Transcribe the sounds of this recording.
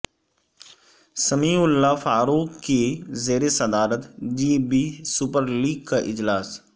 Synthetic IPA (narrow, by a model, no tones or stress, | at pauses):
səmiːʊlːafaːɾuːkkːezeːɾesəd̪aːɾət̪d͡ʒiːbiːsʊpəɾliːɡ̚kaʔɪd͡ʒlaːs